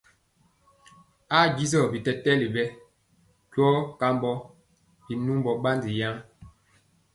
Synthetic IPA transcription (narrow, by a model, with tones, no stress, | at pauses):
a˦˨ɡi˦zɔ˦˨bi˨tɛ˨tɛ˦li˨bɛ˦ | kwɔ˦ka˦mbɔ˦ | bi˨nu˦mbɔ˨ɓa˦ndi˨ja˦ŋ